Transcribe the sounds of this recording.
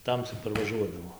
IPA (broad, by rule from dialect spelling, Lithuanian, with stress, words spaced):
ˈtɐmʲsʲɪ pɐrʋɐˈʒuɔdɐʋoː